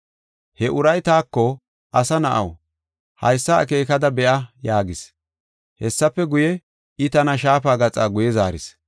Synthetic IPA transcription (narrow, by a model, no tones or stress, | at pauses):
hɛʔʊɾɐjt̪aːkːɔ | ʔɐsɐnɐʔɐ̰w | hɐ̰jsːɐɐ̰k̬e̞ːkɐd̪ɐbɛʔɐjaːɡɪs | hɛsːɐpːɛɡʊjɛ | ɪt̪ɐnɐʃaːpaːɡɐt͡sʼaːɡʊjɛzaːɾɪ̰s